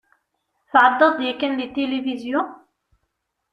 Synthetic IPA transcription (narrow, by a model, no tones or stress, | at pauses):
θʕɑd̪ˤːɑd̪ˤjækənlit̪ːelevizjʊ̃